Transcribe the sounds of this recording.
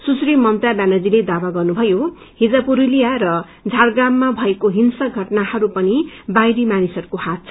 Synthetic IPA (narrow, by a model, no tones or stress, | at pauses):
susɾimːʌmt̪abanʌd͡ziled̪awaɡʌrnubʱʌjo | hid͡zapuɾilijarʌ | d͡zʱarɡamːabʱʌekoɦinsʌɡʱʌʈnahʌɾupʌnibajɾimanisʌɾukohat̪̚t͡sʰʌ